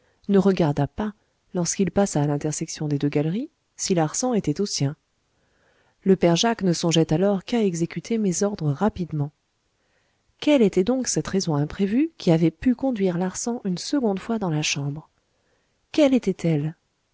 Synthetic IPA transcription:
nəʁəɡaʁd̪apa | lɔʁskilpasaːlɛ̃t̪ɛʁsɛksjɔ̃d̪ed̪øɡalʁi | silaʁsɑ̃et̪ɛt̪osjɛ̃ | ləpɛʁʒaknəsɔ̃ʒɛt̪alɔʁkaɛɡzekʲyt̪ʰemezɔʁd̪ʁəʁapid̪mɑ̃ | kɛlet̪ɛd̪ɔ̃ksɛt̪ʁezɔ̃ɛ̃pχevykʲiavɛpykɔ̃d̪ɥiʁlaʁsɑ̃ʔynsəɡɔ̃d̪fwad̪ɑ̃laʃɑ̃bʁ | kɛlet̪ɛt̪ʰɛl

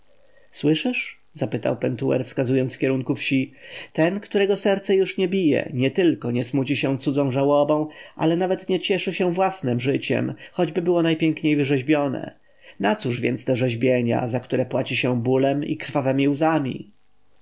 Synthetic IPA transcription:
swɘʂɘʂ | zapɘt̪a̰wpɛnt̪uɛ̰ɾfskazujɔnt̪fkʲɛɾuŋkufɕit̪ɛnkt̪uɾɛɡɔsɛɾt̪sɛjuʂɲɛbʲijɛ̰ɲɛt̪ɘlkɔɲɛsmut͡ɕiɕɛ̃t̪sud̪zɔ̃w̃ʐawɔbɔ̃w̃ʔa̰lɛnavɛt̪ɲɛt͡ɕɛʂɘɕɛvwasnɛmʐɘt͡ɕɛ̰mxɔd͡ʑbɘbɘwɔnajpʲjɛŋkɲejvɘʐɛʑbʲjɔnɛ̰ | nat̪suʐvʲjɛntst̪ɛʐɛʑbʲjeɲa̰zakt̪uɾɛpwat͡ɕiɕɛbulɛmḭkɾfavɛmʲiwzamʲḭ

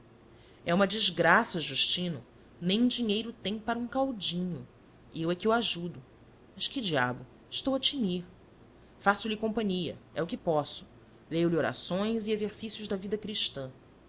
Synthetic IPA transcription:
ɛũmɐd͡ʒiʒɡɾasɐʒuʃt͡ʃĩnʊ | nẽj̃d͡ʒiɲejɾʊt̪ẽj̃paɾɐũkawd͡ʒĩɲʊ | ewɛkɪuwaʒud̪ʊ | mɐʃkɪd͡ʒia̰bʊ | ɪʃt̪owɐt͡ʃimiɾ | fasʊlɪkõmpɐ̃ɲiɐ̰ɛʊkɪpɔsʊ̥ | lejʊlioɾa̰sõj̃ziezeɾsisjʊʒd̪ɐvid̪ɐkɾiʃt̪ɐ̃

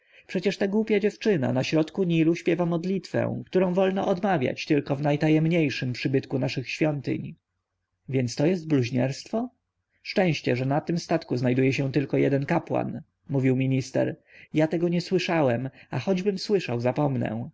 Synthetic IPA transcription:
pʂɛt͡ɕɛʂt̪aɡwupʲjad͡ʑɛft͡ʂɘna̰naɕɾɔt̪kuɲiluɕpʲjɛvamɔd̪lʲit̪fɛ̰̃w̃kt̪uɾɔ̃w̃vɔlnɔʔɔd̪mavʲja̰t͡ɕt̪ɘlkɔvnajt̪ajɛmɲejʂɘmpʂɘbɘt̪kunaʂɘxɕfʲjɔnt̪ɘ̰ɲ | vʲjɛnt̪st̪ɔjɛst̪̚bluʑɲɛɾst̪fɔ | ʂt͡ʂɛ̃w̃ɕt͡ɕɛʐɛnat̪ɘmst̪at̪kuznajd̪ujɛɕɛt̪ɘlkɔjɛ̰d̪ɛnkapwa̰n | muvʲiwmʲiɲist̪ɛ̰ɾjat̪ɛɡɔɲɛswɘʂawɛmaxɔd͡ʑbɘmswɘʂawzapɔmnɛ̰̃

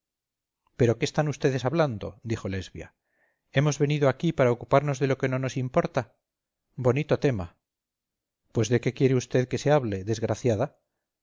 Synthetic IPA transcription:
pe̞ɾo̞keːst̪anust̪e̞ðe̞saβland̪o̞̰d̪ixo̞le̞zβja̰ | e̞mo̞zβe̞niðoakipaɾaokupaɾno̞zðe̞lo̞ke̞no̞no̞simpo̞ɾt̪a | bo̞nit̪o̞t̪e̞ma | pwe̞zðe̞ke̞kje̞ɾeust̪e̞ðke̞seaβle̞ðe̞zɣɾaθjaða

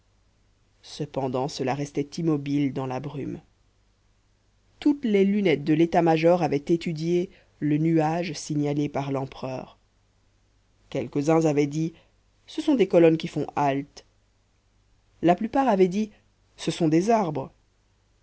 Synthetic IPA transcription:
səpɑ̃d̪ɑ̃səlaʁɛst̪ɛt̪imɔbild̪ɑ̃labʁym | t̪ut̪lɛlynɛt̪̚d̪əlet̪amaʒɔʁavɛt̪et̪yd̪je | lənyaʒsiɲalepaʁlɑ̃pχœ̰ːʁ | kʲɛlkəzɛ̃zavɛd̪i | səsɔ̃d̪ekɔlɔnkʲifɔ̃ʔalt̪ | laplypaʁavɛd̪i | səsɔ̃d̪ezaʁbʁə

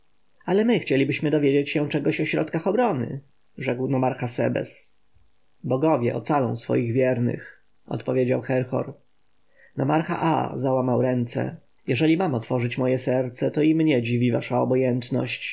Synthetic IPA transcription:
alɛmɘxt͡ɕelʲibɘɕmɘd̪ɔvʲjed͡ʑet͡ɕɕɛt͡ʂɛɡɔɕɔɕɾɔ̰t̪kaxɔbɾɔnɘ̰ | ʐɛkwnɔmaɾxasɛ̰bɛ̰s | bɔɡɔvʲjɛʔɔ̰t̪salɔ̰̃w̃sfɔ̰jiɣvʲjɛɾnɘ̰x | ɔ̰t̪pɔvʲjed͡ʑawxɛɾxɔ̰ɾ | nɔmaɾxa̰ʔa̰zawamawɾɛnt̪sɛ̰ | jɛʐɛlʲimamɔt̪fɔʐɘt͡ɕmɔjɛsɛɾt̪sɛt̪ɔimɲɛd͡ʑivʲivaʂaɔbɔjɛnt̪nɔ̰ɕt͡ɕ

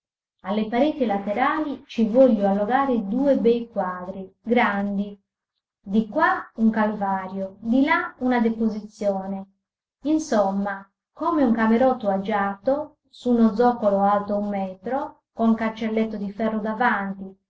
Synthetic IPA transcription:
alːepaɾeːt̪ilat̪eɾaːlit͡ʃivɔʎːoalːoɡaːɾed̪uːebɛjkwaːd̪ɾiɡɾand̪i | d̪ikwauŋkalvaːɾjod̪ilaunad̪epozit̪sːjɔːne | insɔmːa | kɔːmeuŋkameɾɔt̪ːoad͡ʒaːt̪o | sunɔd̪zːɔːkoloalt̪oumːɛːt̪ɾo | koŋkant͡ʃelːet̪ːod̪ifɛrːod̪avant̪i

